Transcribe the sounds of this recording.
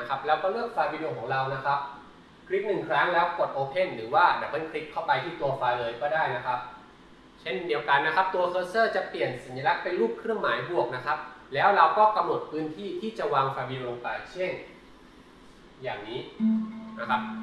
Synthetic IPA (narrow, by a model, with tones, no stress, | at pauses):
na˦˥kʰa˦˥p̚lɛː˦˥wkɔː˥˩lɯ˥˩ək̚faː˧wiː˧doː˧kʰɔː˩˦ŋɾa˧wna˦˥kʰa˦˥p̚ | kʰɾi˦˥k̚nɯ˨˩ŋkʰɾa˦˥ŋlɛː˦˥wko˨˩t̪̚ʔoː˧pʰe˥˩nɾɯː˩˦waː˥˩da˨˩pːma˧˥˩nkʰɾi˦˥kʰːa˥˩wpa˧jt̪ʰiː˥˩t̪u˧ɐfaː˧jlɤː˧jkɔː˥˩daː˥˩jna˦˥kʰa˦˥p̚ | t͡ɕʰe˥˩ndi˧əwka˧nːa˦˥kʰa˦˥p̚t̪u˧ɐkʰɤː˧˥sɤː˥˩t͡ɕa˨˩pli˨˩ənsa˩˦nja˧la˦˥k̚pe˧nluː˥˩p̚kʰɾɯ˥˩əŋmaː˩˦jbu˨˩ək̚na˦˥kʰa˦˥p̚lɛː˦˥wɾa˧wkɔː˥˩ka˧mno˨˩t̪̚pʰɯː˦˥nt̪ʰiː˥˩t̪ʰiː˥˩t͡ɕa˨˩waː˧ŋfaː˧jwiː˧doː˧lo˧ŋpa˧jt͡ɕʰe˥˩n | jaː˨˩ŋniː˦˥na˦˥kʰa˦˥p̚